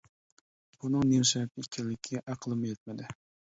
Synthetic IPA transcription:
b̥unɨŋnemʃɛt̪ikʲʰɛnlɪkʲʰːɛʔæqʰəlˠɨmɨjɛt̪̚mɪd̪ɪ

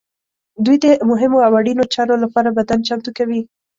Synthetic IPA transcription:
d̪ujd̪əmʊɦɪmoawaɽinot͡ʃɑɾolapɑɾabad̪ant͡ʃamt̪ukawi

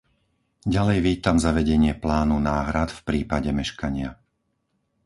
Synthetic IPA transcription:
ɟalɛjʋiːt̪amzaʋɛɟɛɲɪɛplaːnunaːɦɾat̪fpɾiːpaɟɛmɛʃkaɲɪa

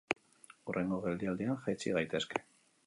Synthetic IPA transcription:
urʔe̞ŋɡoɣe̞ld̪iald̪ianʝajt͡siɣ̞ajt̪e̞ske̥

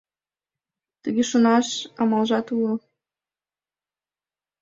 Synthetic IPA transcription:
t̪əɣeʃonɑʃɑmɑlʒɑt̪ulo

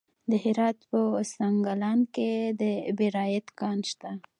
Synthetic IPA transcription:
d̪əɦɪɾɑt̪pəsaŋɡalɑnked̪əbeɾɑjat̪kɑnʃt̪a

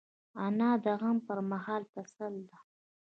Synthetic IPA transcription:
anɑd̪əɣampəɾmaɦɑːlt̪asald̪a

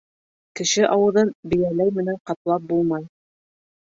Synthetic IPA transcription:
kɘ̆ʃɘʔɑwɤ̆ðɤnbɘ̆jælæjmɘ̆næɴqɑt̪lˠɑp̚bulˠmɑj

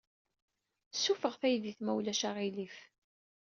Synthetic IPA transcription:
sːufəʁθæjðiθmæwlæʃaʁilif

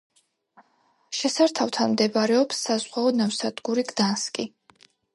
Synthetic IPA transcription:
ʃɛsaɾt̪ʰaft̪ʰanmd̪ɛbaɾɛɔpsːazʁwaɔnavsad̪ɡuɾiɡd̪anskʼi

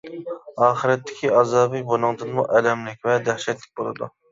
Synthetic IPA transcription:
ɑːχəɾɛt̪ʰːɪ̥kʲʰiɑzɑːbɨjbonɨŋd̪ɨnmṵʔɛlɛmlɪk̚ʲvɛd̪æhʃɛt̪lɪk̚ʲbolˠɨd̪ṵ

